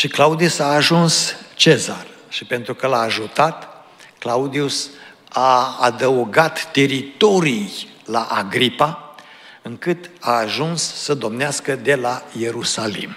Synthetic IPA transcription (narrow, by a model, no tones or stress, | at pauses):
ʃiklaud̪iusaːʒunst͡ʃeza̰rʃipe̞nt̪ɾukəlaːʒut̪at̪ | klaud̪ius | aːd̪əuɡat̪ːe̞ɾit̪o̞ɾij | laʔaɡɾipa | ɨŋkɨt̪aːʒunsːəd̪o̞mneaskəd̪e̞laje̞ɾusalḭm